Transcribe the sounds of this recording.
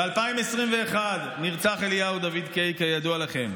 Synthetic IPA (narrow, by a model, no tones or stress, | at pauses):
ealpaimesʁimveːχad̪niʁt͡saχeljaud̪avid̪kejkejad̪ualaχe̞m